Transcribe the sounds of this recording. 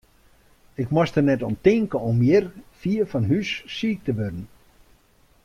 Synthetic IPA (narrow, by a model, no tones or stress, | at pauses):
ɪkmɔstənɛtɔntɪŋkəɔmjɪrfiːəfɑnɦysːiːk̚təʋødən̩